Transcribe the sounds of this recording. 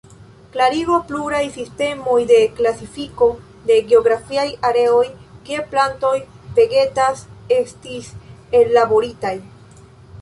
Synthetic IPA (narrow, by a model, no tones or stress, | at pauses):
klaɾiɡo̞pluɾajsiste̞mo̞jde̞klasifiko̞ | de̞ɡeo̞ɡɾafiajaɾe̞o̞jkie̞planto̞j | pe̞ɡe̞tase̞stise̞llabo̞ɾitaj